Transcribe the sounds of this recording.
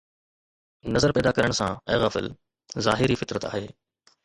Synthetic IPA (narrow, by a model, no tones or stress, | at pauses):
nɐzəɾpɛːd̪akɐɾəɽ̃sã̰ɛːɣɐːfɪ̰l | zaːɦɪɾifɪt̪ɾət̪a̰ːɦeː